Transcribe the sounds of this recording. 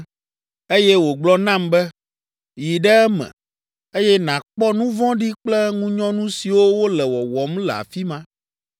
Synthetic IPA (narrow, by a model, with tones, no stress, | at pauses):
e˦jɛ˦wo˨ɡ͡blɔ˦nã˦mbɛ˦ | ji˨ɖɛ˦ɛ˦mɛ̰̃˨ | e˦jɛ˦nã˨k͡pɔ˦nũ˦vɔ̃˦ɖi˦k͡plɛ˦ŋũ˦ɲɔ̃˦nũ˦si˨wo˦wo˦lɛ˨wɔ˨wɔ˨mlɛ˨a̰˨fi˦mã˦